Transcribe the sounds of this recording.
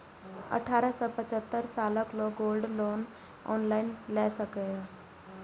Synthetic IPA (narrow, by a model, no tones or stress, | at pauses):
ə̰ʈʰaːɾəsɔpət͡ʃət̪ːəɾsaːləkloːkɡoːlɖloːn | ɔ̰ːnlaːɪnlɛːsəkəaː